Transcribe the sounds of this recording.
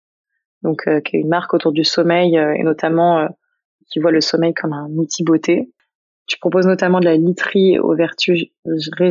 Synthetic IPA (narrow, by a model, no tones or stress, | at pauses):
d̪ɔ̃kʰøkʲɛynmaʁkot̪uʁd̪ysɔmɛjøḛnɔt̪amɑ̃ø | kʲivwaləsɔmɛjkʰɔmɛ̃nut̪ʰibot̪ʰe | t̪y̥pχɔpoznɔt̪amɑ̃d̪əlalit̪χḭo̰vɛʁt̪ʰy | ʁe